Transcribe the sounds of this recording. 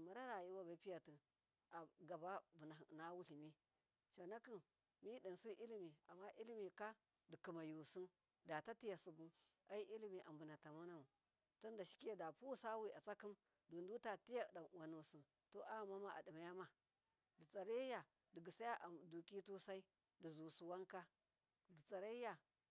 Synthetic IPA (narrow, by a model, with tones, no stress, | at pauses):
ma˨ɾa˦ɾa˨ji˦wa˦ba˨˦pi˦ja˨ti˦ | a˨ɡa˨ba˦bu˨na˨na˦wu˦li˨mi˦ | ʃa˨na˦ki˦n | mi˦di˨su˦ʔi˦li˦mi˨a̰˨mːa˦ʔi˦li˦mi˨ka˦ | di˨ki˨ma˨ju˨si˦n | da˨ta˦ti˦ja˨su˨bu˦a˦ji˦ʔi˦li˦mi˨ʔa˨mbu˨na˨ta˨ma˦na˦mu˨ | tu˦nda˨ʃi̥˦ke˦˨da˨pu˦sa˦wi˦a˨t͡sa˦ki˦m | du˨ndu˦ta˨ti˦ja˦˨da˨wa˨nu˨si˨n | to˦ʔa˦˨ma˦ma˨ʔa̰˨di˨ma˨ja˦ma˨ | di˨t͡sa˨ɾe˦ja˨ | di˨ɡi˨sa˦ja˦ʔa˨du˨ki˦tu˦sa˦i˦ | di˨zu˨su˨wa˦ŋka˦ | di˨t͡sa˨ɾa˦i˦ja˨